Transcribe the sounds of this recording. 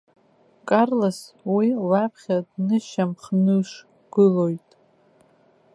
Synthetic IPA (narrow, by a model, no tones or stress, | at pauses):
kʼarlaswilapʰχʲadnɨʃamχnɨʂ | ɡ̥ɨlo̞jtʼ